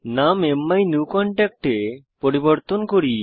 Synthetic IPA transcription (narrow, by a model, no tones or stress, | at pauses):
namemːajnukɔɳʈɛk̚ʈe | poɾibɔɾt̪onkoɾi